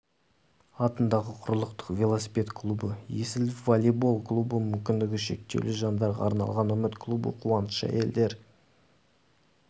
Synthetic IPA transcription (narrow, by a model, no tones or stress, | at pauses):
ɑt̪ənd̪ɑʁəqʰʊɾlˠəq̚t̪ə̥qvʲe̞lˠosi̥pʲe̞t̪kʰlˠubəje̞sɪlɪvolʲebolˠklˠubəmʏmkʲɪnd̪ɪɡʲɪʃe̞̰k̚t̪e̞̰wlɪʒɑnd̪ɑɾʁɑ̰ɑɾnɑ̰lˠʁɑnɵmɪt̪kʰlˠubə̰qʰuwɑnəsʃəæ̰je̞̰ld̪e̞ɾ